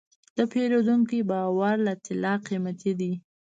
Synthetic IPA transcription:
d̪̥əpʰeɾod̪uŋkibɑwaɾlat̪ɪlɑqimat̪ʰid̪i

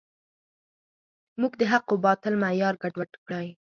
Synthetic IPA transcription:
muɡd̪əɦaqobɑt̪ɪlmajɑɾɡaɖwaʈkɽaj

